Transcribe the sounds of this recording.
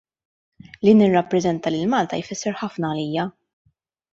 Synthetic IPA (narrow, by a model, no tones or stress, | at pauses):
linɪrːɐpːɾɛzɛnt̪ɐlɪlmɐːlt̪ɐ̰jfɪsːɛɾħɐfnɐːliːjɐ